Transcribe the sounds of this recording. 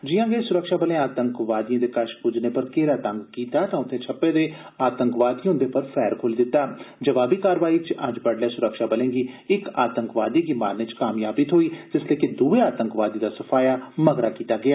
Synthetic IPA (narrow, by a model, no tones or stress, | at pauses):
d͡ʒɪjãːɡesʊɾəkʃaːbəlẽːaːt̪əŋkʋaːd̪ijãːd̪eːkəʃkʊd͡ʒneːpəɾkeːɾaːt̪ãŋɡkiːt̪aːt̪ãːʊt̪ʰːẽːt͡ʃʰəpːẽːd̪eː | aːt̪əŋkʋaːd̪iːɦʊ̃nd̪eːpəɾpʰɛːɾkʰoːliːd̪ɪt̪ːaːd͡ʒəʋaːbiːkaːɾʋaːiːt͡ʃəd͡ʒbəɽlɛːsʊɾəkʃaːbəlẽːɡiːɪka̰ːt̪əŋkʋaːd̪iːɡiːmaːɾnet͡ʃkaːmjaːbiːt̪ʰoːiːd͡ʒ̪ɪsleːkɪd̪uːeːaːt̪əŋkʋaːd̪iːd̪aːsəpʰaːjaːməɡɾaːkiːt̪aːɡɪaː